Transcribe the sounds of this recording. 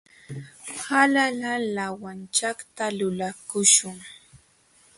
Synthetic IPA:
halalalawant͡ʃakt̪alʊlakʊʃʊŋ

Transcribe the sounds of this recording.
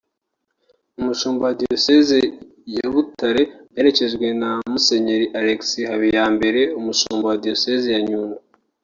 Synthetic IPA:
umuʃuːmbowadijoseze | jaβutaɾe̞je̞ɾe̞ce̞ʒɡwe̞namuse̞ɲe̞ɾiʔaɾeksihaβijaːmbe̞ɾe̞umuʃuːmbowadijo̞sezijaɲuːŋɡa

